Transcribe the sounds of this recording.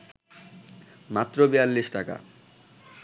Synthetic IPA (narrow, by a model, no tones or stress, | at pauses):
mat̪ːɾobialːiʃʈaka̰